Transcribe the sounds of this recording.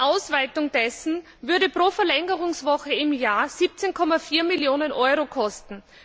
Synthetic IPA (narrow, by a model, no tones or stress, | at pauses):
ʔaʊsv̥aɪtʊŋd̥ɛsn̩ | vʏɐɾəpʁ̥oːfɐlɛŋəʁʊŋsvɔxəɪmjaːɐz̥iːp̚t͡senkʰɔmafiːɐmiljoːnənʔɔʏʁokʰɔstn̩